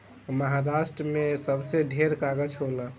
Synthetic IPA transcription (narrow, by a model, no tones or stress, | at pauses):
məɦaɾasʈɾəmesəbseɖʱeɾkaɡəd͡ʒɦolə̃